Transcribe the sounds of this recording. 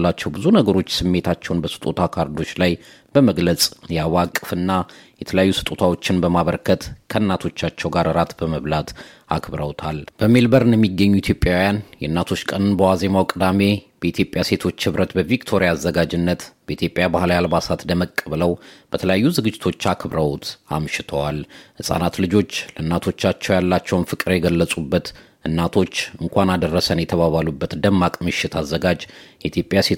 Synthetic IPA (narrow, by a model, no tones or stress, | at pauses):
lːat͡ʃːɛwbɨzunəɡəɾo̞t͡ʃːsɨmːe̞t̪ʰat͡ʃːɛwnbəsɨ̥t̪ʼot̪ʰakʰaɾd̪o̞t͡ʃlaj | b̥əməɡlət͡sʼjɛawakʼːɨfɨnːajɛt̪ʰələjajːusɨ̥t̪ʼot̪ʰawo̞t͡ʃːɪnbəmaβəɾkʰət̪kʰəɨnːat̪ʰo̞t͡ʃːat͡ʃːɛwɡaɾɨɾat̪bəməβlat̪a̰kʰbɾəwt̪ʰalb̥əmelbəɾɨnjɛmːiɡːəɲːuit̪ʰjo̞pʼːjawjanjɛɨnːat̪ʰo̞t͡ʃːkʼənɨnbəwaze̞mawkʼɨd̪ame̞b̥əit̪ʰjo̞pʼjase̞t̪ʰo̞t͡ʃːhɨβɾət̪bəvikt̪ʰo̞ɾiaːzːəɡad͡ʒɪnːət̪b̥əit̪ʰjo̞pʼjabahlajalbasat̪d̪əməkʼːəβləwb̥ət̪ʰələjajːuzɨɡɨd͡ʒːɪt̪ʰo̞t͡ʃːakʰɨβɾəwot̪a̰mʃɪt̪ʰəwalhɨsʼa̰nat̪lɨd͡ʒo̞t͡ʃːləɨnːat̪ʰo̞t͡ʃːat͡ʃːɛwjalːat͡ʃːɛwnfɨkʼɨɾjɛɡəlːəsʼubːət̪ | ʔɨnːat̪ʰo̞t͡ʃːɨŋkʷʰanad̪ərːəsənjɛt̪ʰəβaβalubːət̪d̪əmːakʼmɨʃːɪt̪ʰazːəɡad͡ʒjɛit̪jo̞pʼjase